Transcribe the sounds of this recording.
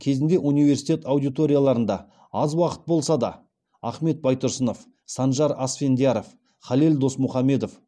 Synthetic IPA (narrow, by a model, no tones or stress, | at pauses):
kʲʰe̞zɪnd̪e̞ʔunijve̞ɾsijt̪ʲe̞t̪awd̪ijt̪o̞ɾʲijalˠɑɾənd̪ɑ̰ | ɑzwɑqə̥t̪̚bo̞lˠsɑd̪ɑ̰ | ɑχme̞t̪̚bɑjt̪ʊɾsəno̞f | sɑnʒɑɾɑsfe̞nd̪ijɑɾof | χɑleld̪o̞smʊχɑme̞d̪of